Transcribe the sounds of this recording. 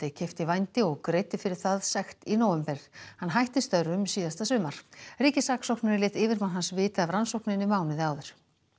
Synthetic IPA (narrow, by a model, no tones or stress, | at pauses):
t̪ɪcʰɛft̪ɪvajnt̪ɪɔɣkɾeːjt̪ɪfɪɾɪɾ̥θaðsɛxt̪inoːwɛmpɛɾ̥hanɦajht̪ɪst̪œɾʏmsiːðast̪asvʏːmːaɾ̥riːcɪsaksowknaɾɪɾlɪːt̪ɪːvɪɾmanɦansvɪːt̪aavɾansowknɪnːɪmaːwnɪðɪaːwðʏɾ̥